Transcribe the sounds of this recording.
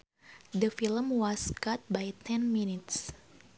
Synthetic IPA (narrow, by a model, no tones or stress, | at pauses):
dəfiləmwɔskat̪̚bajt̪ʰɛ̃nminit̪s